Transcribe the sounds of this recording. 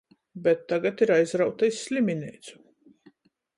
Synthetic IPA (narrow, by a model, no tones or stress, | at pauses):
bɛt̪ːaɡat̪iɾajzɾawt̪aisʲːlʲimʲinʲɛjt̪su̥